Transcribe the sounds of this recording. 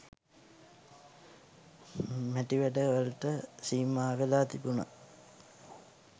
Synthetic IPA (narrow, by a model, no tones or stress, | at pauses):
mæʈiʋæɖəʋəlʈəsiːmaːʋelaːt̪ibuna̰